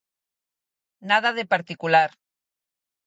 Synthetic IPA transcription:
nað̞aðepaɾt̪ikulaɾ

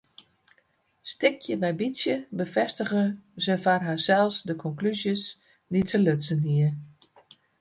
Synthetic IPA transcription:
stɪkʰjəbɛjbisjəbəfɛstəɣəzəfarɦasɛlˠsdəkʰɔŋklyzjəs | ditəløtsəniə

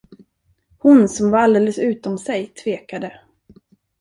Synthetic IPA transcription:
hʊnsɔmvaɾald̪eːləsʉ̟ːt̪ɔmsɛjt̪ʰveːkad̪ə

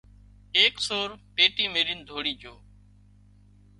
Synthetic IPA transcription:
eːksoːɾpeːʈiːmeːɾiːnd̪ʱoːɽiːd͡ʒoː

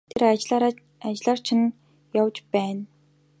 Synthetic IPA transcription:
t̪ʰeɾt͡ɕɮaɾ | at͡ɕɪ̆ɮɔːr̥t͡ɕʰɪ̆n | jawt͡ɕpæːn

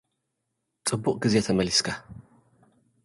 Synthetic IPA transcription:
t͡sʼɨbːʊqʼɡɨzɛt̪ʰɐmɐliskʰɐ

